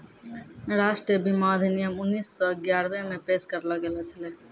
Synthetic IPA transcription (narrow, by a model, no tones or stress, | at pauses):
ɾaːʃʈɾiəbimaːd̪ʱinijəmʊnːiːsːɔɪɡjaːɾʋẽmẽpeːʃkɐɾlaɡeːlat͡ʃʰɐleː